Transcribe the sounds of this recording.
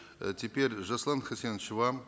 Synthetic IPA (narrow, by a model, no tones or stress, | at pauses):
tʲɪpʲeɾʲʐɐslˠɑnχɐsʲent͡ʃva